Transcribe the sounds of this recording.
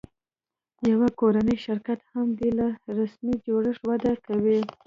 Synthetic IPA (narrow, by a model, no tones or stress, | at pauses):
jawakoɾanəjʃɪɾkat̪hamb̪elaɾasmid͡ʒoɽəʂwad̪akawi